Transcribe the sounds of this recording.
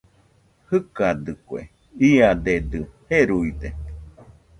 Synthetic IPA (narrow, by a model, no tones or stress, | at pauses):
hɨkad̪ɨkwḛ | iad̪ed̪ɨheɾuid̪e